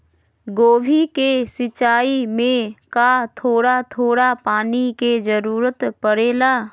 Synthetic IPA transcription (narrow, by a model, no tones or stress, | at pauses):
ɡoːʋʱikesɪt͡ʃaːimẽkat̪ʰoːɽat̪ʰoːɽapaːniked͡ʒəɾuːɾət̪pəɽeːlaː